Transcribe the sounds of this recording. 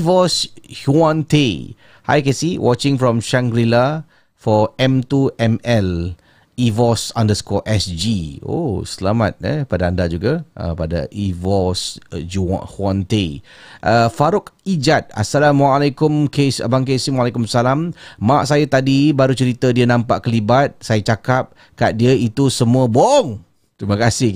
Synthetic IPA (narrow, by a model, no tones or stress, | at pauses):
vɔshuãnt̪e | ha̰jkesiwʔɔt͡ʃɪ̃ŋfɹɔ̃mʃãŋɡɾila | fɔɛmt̪uʔɛmɛl | ivɔsɔ̃ndəskɔʔɛsd͡ʒio̰səlama̰t̪̚ɛ̰padaandad͡ʒuɡaʔə̰pada̰ʔivɔsd͡ʒṵhwãnt̪eʔəfaɾʊkid͡ʒat̪̚a̰salamwaːlakʊmkesa̰baŋkesimwalɛkʊmsalammaʔsajat̪adibaɾut͡ʃəɾit̪ədiənãmpa̰ʔkəlibat̪̚sajat͡ʃakap̚ | kaʔ̚diəit̪usəmũəbɔŋ | t̪ɾiməkasɪ